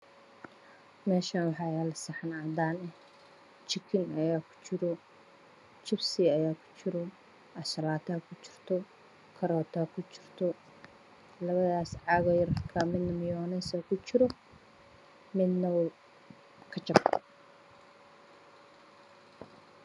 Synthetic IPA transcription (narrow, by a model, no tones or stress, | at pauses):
mɛːʃaːnwɑħɑːɛlɐsɐħnaːd̪aːnɛh | t͡ʃɪkʰɪnɐjaːkʰʊ̥t͡ʃɪɾɔ | t͡ʃɪbsɪɐjaːkʰʊ̥t͡ʃɪɾɔ | ʔɐʃɐlaːt̪ʰakʰʊt͡ʃɪ̥rt̪ʰɔ | kʰɐɾɔːt̪ʰakʰʊt͡ʃɪr̥t̪ʰɔ | lɐβɐðaːsʕɑɣɔjɐrkʰamɪd̪nɐmɪjɔːnɛsɐkʰʊt͡ʃɪɾɔ | mɪd̪nɐw | kʰɐt͡ʃɐb